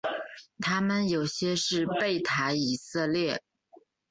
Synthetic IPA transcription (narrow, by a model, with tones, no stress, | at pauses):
t̪ʰa˥mə˨njo˨˩ʊɕjɛ˥ʂɻ̩˥˧pe˥˩ɪt̪ʰa˧˥ɪi˨˩sɤ˥˧ljɛ˥˩